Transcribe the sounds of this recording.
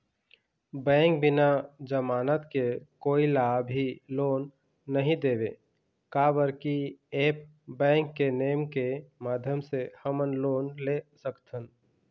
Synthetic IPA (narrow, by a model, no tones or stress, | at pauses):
bɛ̃ːŋk̚bɪnad͡ʒəmaːnət̪kekoːilabʱiloːnː | əɦĩd̪eːbḛ | kabəɾkieːp̚ | bɛ̃ːŋkːeneːmkemaːd̪ʱjəmsehəmənloːnlesəkt̪ʰən